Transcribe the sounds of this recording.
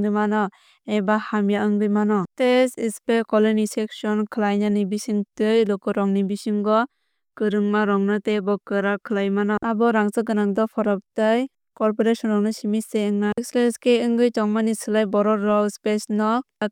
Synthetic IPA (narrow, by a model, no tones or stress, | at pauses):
ŋdɯmanɔ | ejbahamjaɯŋdɯjmanɔtesispekɔlɔnisek̚sɔnkʰɯlajnanibisiŋtɯjlɔkɔɾɔŋnibisiŋɡɔ | kɯɾɯŋmaɾɔŋnɯtebɔkɯɾakʰɯlajmanɔʔabɔɾaŋsɯɡɯnaŋdɔpʰɔɾɔp̚tɯj | kɔɾpɔɾesɔnɾɔŋnɯsimiseɯŋnaksleskeɯŋɡɯjtaŋmanisɯlajbɔɾɔɾːɔspesnɔ